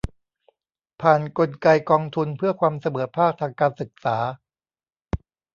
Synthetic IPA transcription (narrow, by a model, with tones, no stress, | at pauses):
pʰaː˨˩nko˧nka˧jkɔː˧ŋt̪ʰu˧npʰɯ˥˩ɐkʰwaː˧msa˧mɤː˩˦pʰaː˥˩k̚t̪ʰaː˧ŋkaː˧nsɯ˨˩k̚saː˩˦